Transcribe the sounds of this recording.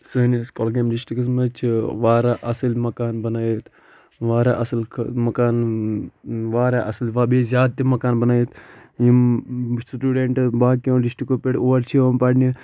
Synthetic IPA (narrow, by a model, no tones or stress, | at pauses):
sɐniskolɡemɖisʈikɐsmɐt͡ʃʰʋaːɾaʔɐsɐlmɐkaːnbɐnaːjit̪ʰ | ʋaːɾaʔɐsəlkʰmɐkaːn | ʋaːɾaːʔɐsɐlʋaːbizʲaːd̪̚t̪imɐkaːnbɐnaːjit̪ʰjimsʈuːɖeɳʈbaːkõɖisʈikopeɽoːʋɐɾt͡ʃʰiʋompaːɽni